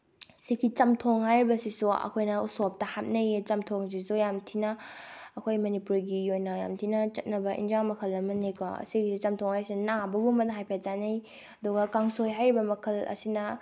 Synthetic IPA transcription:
sikʰit͡ʃɐmtʰoŋhajɾibɐsisuɐ̰kʰojnɐusop̚tɐhap̚nɐt͡ʃɐmtʰoŋs̬isujamtʰinɐːkʰojmɐnipuɾɡiojnɐja̰mtʰinɐt͡ʃɐt̚nɐbɐʔḭnd͡ʒaŋmɐkʰɐlːɐmɐnikʰo̰siɡit͡ʃɐmtʰoŋhajsinabɐɡumɐtɦajpʰat͡ʃanej | ɐduɡɐkaŋsojɦajɾibɐmɐkʰɐlɐ̰sinɐ

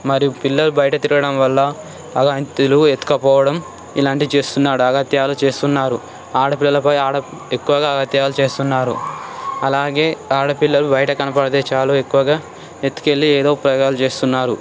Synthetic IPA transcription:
mɐɾijupilːɐlubɐjɐʈɐt̪iɾuɡɐɽɐmʋɐlːɐː | ɡaːnt̪iluet̪ːu̥kɐpɔːʋɐɽɐm | ilaːɳʈit͡ʃe̞ːst̪unːaːɽuɐɡɐt̪jaːlut͡ʃe̞ːst̪unːaːɾu | aːɽɐpilːɐlɐpɐjaːɽɐekːuʋɐɡaːɐɡɐt̪jaːlut͡ʃe̞ːst̪unːaːɾṵɐlaːɡe̞ːaːɽɐpilːɐlubɐjɐʈɐkɐnɐpɐɽɐt̪eːt͡ʃaːloːekːuʋɐɡaː | et̪ːu̥ke̞lːieːd̪o̞ːpɾɐɡaːlut͡ʃe̞ːst̪unːaːɾu

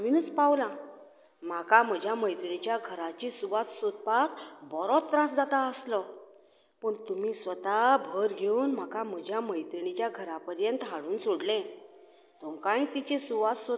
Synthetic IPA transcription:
minət͡spawlã | m̤akam̤əd͡ʑʱjaməjt̪ɳit͡ɕjaɡʱəɾat͡ɕisuʋat̪sod̪̚pak̪bɔɾɔt̪ːɾãsd͡zat̪aəslə | pəɳt̪um̤iːsʋət̪abʱəɾɡʱeunm̤akam̤əd͡ʑʱjaməjt̪ɾɳ̃it͡ɕjaɡʱəɾapəɾjənt̪ɦaɽuːnsoɽlẽ | t̪umkãĩt̪it͡ɕesuʋat̪so

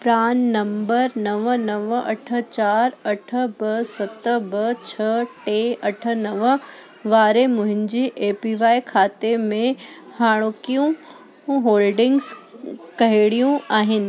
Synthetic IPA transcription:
pɾaːnːɐ̃mbəɾnɐʋnɐʋɐ̰ʈʰə̆t͡ɕaːɾɐʈʰə̆bɐsɐt̪əbɐt͡ɕʰɐʈeːɐʈʰə̆nɐʋə | ʋaːɾemʊ̃ɦɪ̃ɲd͡ʑiʔeːpiʋaːikʰaːt̪emẽhaːɽ̃okijũ | ɦoːlɖɪ̃ŋɡzkɐɦɪɽijũaːɦɪnɪ̆

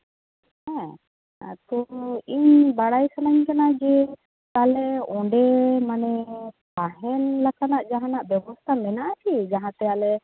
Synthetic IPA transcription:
hɛ̃ | t̪ɔiɲbaɽajsanaɲkanad͡ʒe | t̪alɛɔ̃ɳɖemanɛpaɦɛnlakanaʔd͡ʒaɦãnaʔbjɛbɔst̪ʰamɛnaʔkʰid͡ʒaɦãt̪ɛalɛ

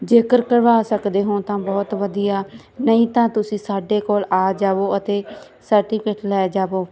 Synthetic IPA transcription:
d͡ʒeːkəɾkəɾʋaːsəkd̪eːɦõːt̪ãːbɔːt̪ʋəd̪ijaː | nəĩːt̪ãːt̪ʊsĩːsaːɖeːkoːlaːd͡ʒaːʋoːət̪eː | səɾʈiːpɪʈlɛːd͡ʒaːʋoː

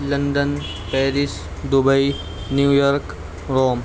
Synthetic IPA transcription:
lənɖ̪ən | pɛːɾis | d̪ubəi | njuːjɔɾk | ɾoːm

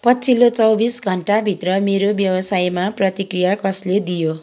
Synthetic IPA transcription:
pʌt͡sʰilot͡sʌwbisɡʱʌɳʈabʱit̪rʌmeɾobjʌwʌsajmaprʌt̪ikrijakʌsled̪ijo

